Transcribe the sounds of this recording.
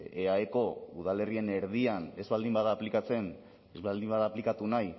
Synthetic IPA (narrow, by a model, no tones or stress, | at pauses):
eaeko̞uð̞ale̞rie̞ne̞ɾð̞iane̞zβald̪imbaðaːplikat͡se̞n | ezβald̪imbaðaplikat̪unaj